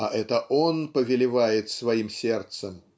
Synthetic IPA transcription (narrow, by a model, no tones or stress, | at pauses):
ɐʔɛt̪əʔonpəvʲɪlʲɪvajɪt̪svɐimsʲɛrt̪səm